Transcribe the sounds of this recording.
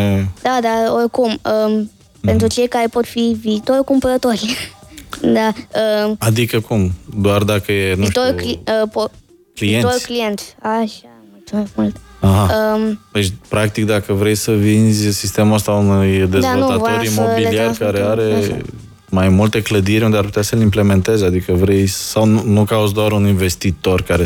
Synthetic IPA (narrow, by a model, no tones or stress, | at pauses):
ed̪̥ad̪aorkumə | pe̞nt̪ɾut͡ʃe̞jkaɾepo̞t̪fiviːt̪oɾʲkumpəɾət̪o̞ɾʲ | d̪aəad̪ikəkumd̪oard̪akəjenuiʃt̪okliəpo | klient̪oɾklijent̪sʲaʃamult̪majmult̪aɦaəd̪et͡ʃʲpɾak̚t̪ikd̪akəvɾe̞jsəvinzʲsist̪e̞muəst̪aunujd̪ezd̪aot̪at̪oɾimobiliarkaɾeaɾe̞ | majmult̪ekləd̪iɾʲund̪eaɾp̬ut̪easəlimple̞me̞nt̪e̞zead̪ikəvɾe̞jsawnunukaut̪zd̪oaɾuninve̞st̪it̪o̞rkaɾe